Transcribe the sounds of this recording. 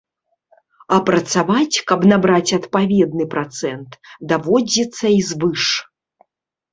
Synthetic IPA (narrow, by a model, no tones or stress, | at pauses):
ɐpɾɐt̪savat͡sʲkɐbnabɾat͡sʲɐt̪pavʲɛd̪nɨpɾat̪sɛnt̪d̪avɔd͡zʲit̪sːɐizvɨʂ